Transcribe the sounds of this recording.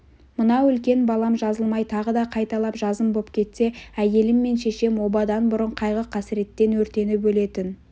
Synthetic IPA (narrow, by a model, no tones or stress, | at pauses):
mənɑwʏlkʲe̞nbɑlˠɑmʒɑzəlˠmɑjt̪ʰɑʁəd̪ɑqʰɑjt̪ɑlˠɑpʒɑzəmbo̞p̚kʲʰe̞t̪se̞æje̞lɪmːe̞nʃe̞ʃe̞mwo̞bɑd̪ɑnbʊɾəɴqʰɑjʁəqʰɑsɪɾe̞t̪ːe̞nwɵɾt̪e̞nɪbɵle̞t̪ɪn